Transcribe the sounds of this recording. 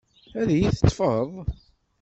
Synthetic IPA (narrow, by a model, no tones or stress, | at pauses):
æðjiθə̥t̪ˤːfəðˤ